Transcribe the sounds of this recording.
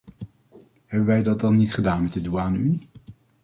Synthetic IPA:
ɦɛbənʋɛjdɑt̚dɑnːitχədaːnmɛt̚dəduaːnəyni

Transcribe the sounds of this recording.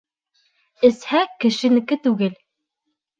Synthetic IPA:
ɘ̆shækɘ̆ʃɘ̆nɘ̆kɘt̪ʉɡɘl

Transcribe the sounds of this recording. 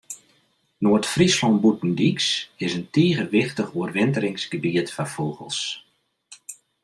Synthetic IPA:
noətfrislɔnbutn̩diksɪsəntiːəɣəʋɪxtəχuərʋɪntəɾɪŋsɡ̥əbiətfafoːɣə̰lˠs

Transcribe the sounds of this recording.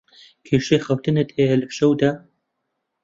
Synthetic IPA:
kʰeːʃexɐwt̪ʰɨnɨt̪ʰeːɐlɨpʃɐwd̪ɐ

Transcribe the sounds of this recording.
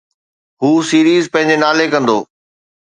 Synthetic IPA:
ɦuːsiːɾiːzpɐ̃ɦɪ̃ɲ̆d͡ʑenaːlekɐ̃nd̪oː

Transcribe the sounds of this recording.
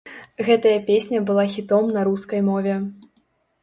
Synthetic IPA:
ɣɛt̪ɐjɐpʲesʲnʲɐbɨlˠaxʲit̪ɔmnɐɾuskɐjmɔvʲɛ

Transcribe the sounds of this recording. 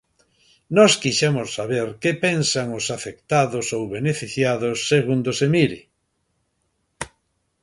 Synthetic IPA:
nɔskiʃemʊsːaβeɾkepensaŋʊsafekt̪aðʊsowβenefiθjaðʊsːeɣund̪osemiɾi

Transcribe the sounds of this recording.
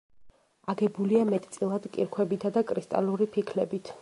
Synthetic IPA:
aɡɛbuliamɛt̪ʼt̪sʼilˠad̪kʼḭɾkʰwɛbit̪ʰad̪akʼɾist̪ʼa̰luɾipʰikʰlɛbit̪ʰ

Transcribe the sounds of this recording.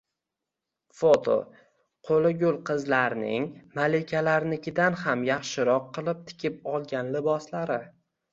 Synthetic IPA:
fot̪ʰo̰ | qʰolɪɡʲʊlˠqʰɨzlaɾnɪ̰ŋmalekʲʰalaɾnɪkʲɪd̪anhamjɑχʃɪɾɒqʰːɨlˠɪp̚t̪ʰɪ̥kʲɪp̚ɒlˠɡʲanlɪbɒslaɾɪ

